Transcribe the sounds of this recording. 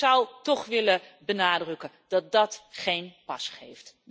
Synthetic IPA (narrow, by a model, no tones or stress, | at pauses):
ʌwtɔχʋɪləbənaːdrɵkə | d̥ɑt̚dɑtχejnpɑsχejft